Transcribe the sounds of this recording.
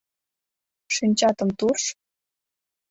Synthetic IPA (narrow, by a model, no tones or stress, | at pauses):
ʂinʲt͡ɕɑt̪ɤ̆mt̪uʂ